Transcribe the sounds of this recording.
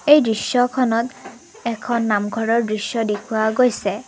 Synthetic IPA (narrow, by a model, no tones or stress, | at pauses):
ejdɹisjɔkʰɔnɔt | ɛkʰɔnːamɡʱɔɹɔɹdɹisjɔdekʰuaɡojsɛ